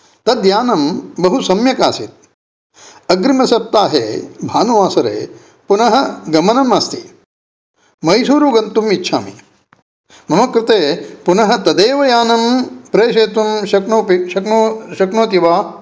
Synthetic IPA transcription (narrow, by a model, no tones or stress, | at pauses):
t̪ɐd̪jaːnɐmbɐɦusɐmjɐka̰ːsit̪̚ | ɐɡɾimɐsɐp̚t̪aːɦḛːbʱaːnuʋaːsɐɾḛː | punɐɦɐɡɐmɐnɐmɐst̪i | mɐjsuːɾuɡɐnt̪umitːʃʰa̰ːmḭ | mɐmɐkɾɪt̪eːpunɐɦɐ̆t̪ɐd̪eːʋɐjaːnɐmpɾeːʃeːt̪umɐknoːpiɐknoʃɐknoːt̪iʋaː